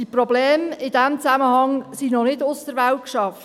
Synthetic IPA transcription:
diprɔblɛːmɪdæmt͡sæməhɑŋsinɔnɪdʊsdəɾʋæltkʃɑf

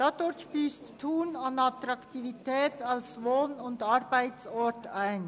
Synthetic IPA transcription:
d̥ɑdɔɾtʃpyːsttʰuːnɑnɑt̪ɾɑktʰivitʰɛːtʰɑlsʋoːnʊndɑɾbæɪtsɔtæɪn

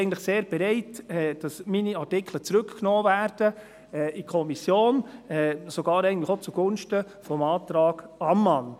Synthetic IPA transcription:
ɪɡən̩tləχseːɾb̥ɛɾɛɪtɛd̥ɑsminiɑrtɪkʰlət͡sɾʏkknɔːvæːɾd̥ə | ɛːʔikʰɔmisjoːnɛsoɡ̥ɑːɾɛɪɡən̩tləxot͡suɡ̥ʊnʃtə | fɔmɑːtɾɑːɡ̥ɑmːɑn

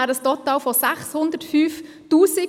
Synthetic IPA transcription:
æːɾəstɔt̪ɑːlfɔsæχshʊnd̪ətfyːf | tuːsɪ

